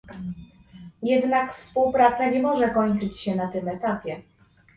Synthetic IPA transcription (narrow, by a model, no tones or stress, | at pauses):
jɛd̪nakfspuwpɾat̪saɲɛmɔʐɛkɔɲt͡ʂɘt͡ɕɕɛnat̪ɘmɛt̪apʲjɛ